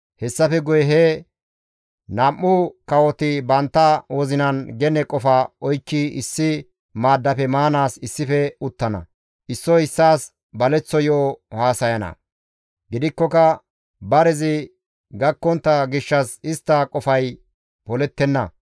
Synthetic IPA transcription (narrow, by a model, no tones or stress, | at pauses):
hɛsːɐfɛɡʊjɛɦɛ | nɐmːʊkɐwɔt̪ɪbɐnt̪ːɐwoːzɪnɐnɡɛnɛkʼɔfɐɔjkːiɪsːɪ | maːd̪ːɐpɛmaːnaːsɪsːɪfɛʊt̪ːɐnɐ̰ | ʔɪsːɔɪsːaːs | bɐlɛt͡sːɔjɔʔɔhaːsɐjɐnɐ̰ | ɡɪd̪ɪkːɔkɐ | bɐɾɛzɪ | ɡɐkːɔnt̪ːɐɡɪʃːɐsɪst̪ːɐkʼɔfɐj | pɔlɛt̪ːɛnːɐ